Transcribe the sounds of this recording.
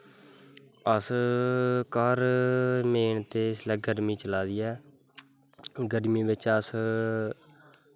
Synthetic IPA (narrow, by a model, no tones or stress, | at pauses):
əs | kaːɾmeːnt̪eːɪslɛːɡəɾmiːt͡ʃəlaːd̪iːɛː | ɡəɾmĩːʋɪt͡ʃəs